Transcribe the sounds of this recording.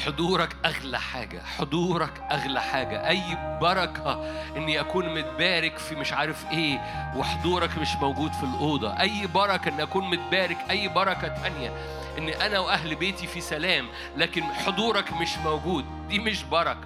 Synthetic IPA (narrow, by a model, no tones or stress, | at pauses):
ħod̪ˤuːɾˤɑkʔæɣlæħa̰ːɡæ̰ħod̪ˤuːɾˤɑkʔæɣlæħaːɡæ̰ʔæjːbɑɾˤɑkʰæʔɪnːiʔækuːnmʊt̪̚bæːɾɪkfimɪʃʕaːɾefʔeːweħod̪ˤuːɾˤɑkmɪʃmæwɡuːd̪filʔoːd̪ˤɑ̰ʔæjːbɑɾˤɑkɑʔenːiʔækuːnmʊt̪̚bæːɾɪkʔæjːbɑɾˤɑkɑt̪ʔænjæ | ʔɪnːʔænæwʔæɦlbeːt̪ifisælæːm | læːkɪnħod̪ˤuːɾˤɑkmɪʃmowɡuːd̪̚ | d̪iːmɪʃbɑɾˤɑkɑ̥